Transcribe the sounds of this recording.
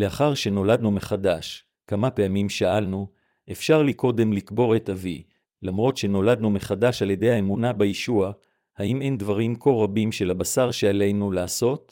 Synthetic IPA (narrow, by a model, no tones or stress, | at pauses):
le̞aχaʁʃe̞no̞ladnume̞χadaʃ | kamape̞amimʃaalnu | ʔe̞fʃaʁlikʰo̞de̞mlikbo̞ʁe̞tavi | lamʁo̞tʃe̞no̞lad̪nume̞χadaʃalje̞de̞jhaemunabejeʃua | haʔime̞ndvaʁimko̞ʁabimʃe̞lhabasaʁʃeale̞jnulaːso̞t